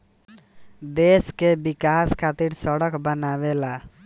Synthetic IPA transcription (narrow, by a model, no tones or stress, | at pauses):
d̪eskebikaskʰat̪iɾsʌɽʌkbənabela